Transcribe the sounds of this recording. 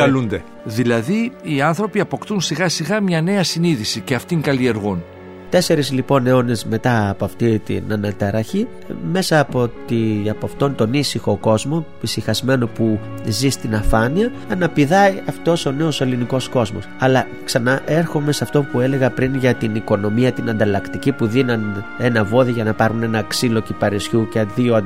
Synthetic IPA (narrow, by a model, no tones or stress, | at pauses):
ɐlund̪e | ðilɐðiiɐnθɾo̞piɐpo̞kt̪unsiɣɐsiɣɐmɲɐne̞ɐsiniðisiceɐft̪iŋkɐlie̞ɾɣon | t̪e̞se̞ɾizlipo̞neone̞zme̞t̪ɐːpoɐft̪it̪ḭnɐnɐt̪ɐɾɐçi | me̞sɐːpo̞t̪iɐpɐft̪o̞nt̪o̞nisixo̞ko̞zmo̞ | isixɐzme̞no̞pu | zist̪inɐfɐniɐ | ɐnɐpiðɐiɐft̪o̞so̞ne̞o̞se̞liniko̞sko̞zmo̞̰sɐlɐ | ksɐnɐʔe̞ɾxo̞me̞sɐft̪o̞pue̞le̞ɣɐpɾinʝɐt̪iniko̞no̞miɐt̪inɐnd̪ɐlɐkt̪icipuðinɐne̞nɐvo̞ðiʝɐnɐpɐɾɣune̞nɐksilo̞cipɐɾesçuceðio